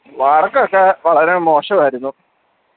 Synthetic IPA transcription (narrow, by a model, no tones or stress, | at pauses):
ʋaːrɐkːokːeʋɐɭɐɾemo̞ːʂɐʋaːɾunːu